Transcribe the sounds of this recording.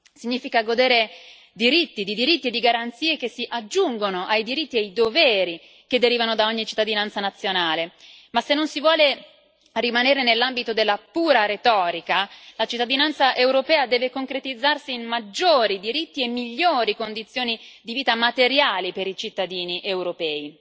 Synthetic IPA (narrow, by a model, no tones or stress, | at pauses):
siɲːiːfikaɡod̪eːɾe | d̪iɾit̪ːid̪id̪iɾit̪ːied̪iɡaɾant̪siːek̟esiʔad͡ʒːuŋɡonoʔajd̪iɾit̪ːiajd̪ovɛːɾi | ked̪ːeɾiːvanod̪aoɲːit͡ʃi̥t̪ːad̪inant̪sanat̪sːjonaːlemasenːonsivwɔːle | rimaneːɾenelːambit̪od̪elːapuːɾaɾet̪ɔːɾikalat͡ʃit̪ːad̪inant̪saʔewɾopɛːad̪ɛːvekoŋkɾet̪id̪zːarsiːnmad͡ʒːoːɾid̪iɾit̪ːiemːiʎːoːɾikond̪it̪sːjoːnid̪iviːt̪amat̪eɾjaːlipeɾit͡ʃit̪ːad̪iːniʔewɾopɛːi